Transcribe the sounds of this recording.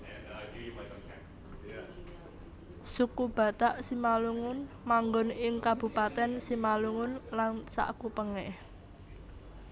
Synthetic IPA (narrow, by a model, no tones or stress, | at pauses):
sukub̥ä̤t̪aʔsimaluŋʊn | maŋɡɔnɪŋkab̥ṳpat̪ɛnsimaluŋʊnlansa̰ʔkupəŋɛh